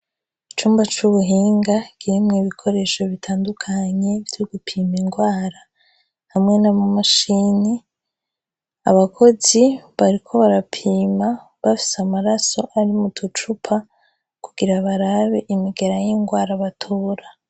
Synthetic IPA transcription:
it͡ʃuːmbat͡ʃuβuɦiːŋɡakiimŋiβikʰo̞ɾe̞ʃo̞βitʰaːndukʰaɲe̞vjoɡupʰiːmiŋɡwaːɾa | hamŋe̞namamaʃini | aβakʰo̞ziβaɾikʰo̞βaɾapʰiːma | βafi̥samaɾaso̞ʔaɾimutut͡ʃupʰa | kuɡ̥iɾaβaɾaβe̞ʔimiɡe̞ɾajiŋɡwaːɾaβatʰoːɾa

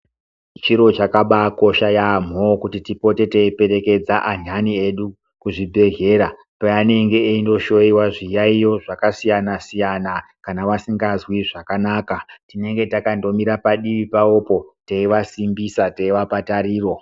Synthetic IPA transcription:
t͡ʃiɾo̞t͡ʃakaɓako̞ʃajam̤okutitipo̞te̞teipe̞ɾe̞ke̞d͡zaʔaɲanie̞ɗu | kuʐibʱe̞ɦe̞ɾa | paane̞ŋɡe̞ːindo̞ʃo̞iwaʐijaijo̞ʐakasijanasijana | kanaʋasiŋɡazwiʐakanaːkatine̞ŋɡe̞takando̞miɾapaɗiʋipaopo̞teiʋasimbisateiʋapatariːro̞

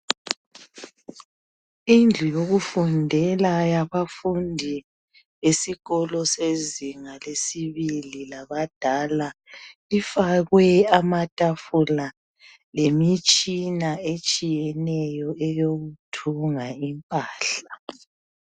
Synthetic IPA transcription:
ind͡ɮʱujoɣufundʱɛlajaβafundʱi | esiɣɔlɔseziŋalesiβililaβad̥ʱalaifaɣwɛamatʼafula | lemit͡ʃʼinaet͡ʃʼijɛnɛjɔɛjoɣutʰuŋaimpʼaːɬa

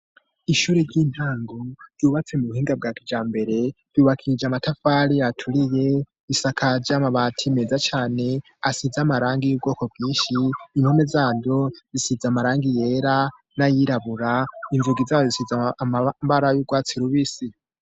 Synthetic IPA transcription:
iʃuːɾeɾɟiːn̥haːŋɡoɾɟuːβat͡se̞muβuhiːŋɡab̚ɡaːkid͡ʒaːmbe̞ɾe̞̥ | uːβakʰiɾid͡ʒamatafaːɾijatʰuɾije̞ | isakʰaɾɟamaβatʰimezat͡ʃaːne̞ | asizamaɾaːŋɡijuːb̚ɡo̞ːko̞b̚ɡiːnʃiːŋ̥home̞zaːdo̞zisizamaɾaːŋɡije̞ːɾa | najiɾaβuɾainzuɡizaːβozisizaaβaɾajuːbɡwaːt͡siɾuβisi

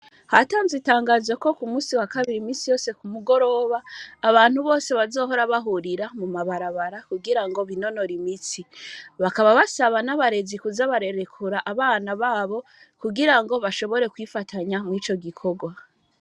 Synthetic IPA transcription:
hataːnzitaːŋɡaːzeko̞kumuːsiwakaβiɾimiːsijo̞ːse̞kumuɡo̞ɾo̞ːβaːβaːn̥huβo̞ːse̞βazo̞ːɦo̞ɾaβaɦuɾiɾamumaβaɾaβaɾakuɡiɾaŋɡo̞βino̞no̞ɾimisiβakaβaβasaβanaβaɾe̞zikuzaβaɾe̞ɾe̞kʰuɾaʔaβaːnaβaːβo̞ | kuɡiɾaŋɡo̞βaʃo̞βo̞ɾe̞kwifatʰaɲamŋiːt͡ʃo̞ɡikʰo̞ɡwa

